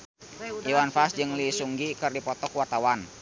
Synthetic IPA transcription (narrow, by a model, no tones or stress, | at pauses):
ʔiwanfasd͡ʒɨŋlisuŋɡikɨrdipɔt̪ɔkwart̪awan